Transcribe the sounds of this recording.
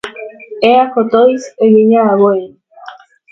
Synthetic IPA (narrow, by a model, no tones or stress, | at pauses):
eakot̪ojsejeɲaːβoe